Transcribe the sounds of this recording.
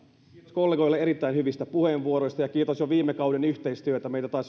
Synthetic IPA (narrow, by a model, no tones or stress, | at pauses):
toskolːeɡo̞jlːeeɾit̪ːæinhyʋist̪æpuheːnʋuoɾo̞jst̪ɑjɑkiːt̪osjoʋiːmːekɑwdenyht̪e̞ist̪yøet̪æmeijt̪æt̪ɑːs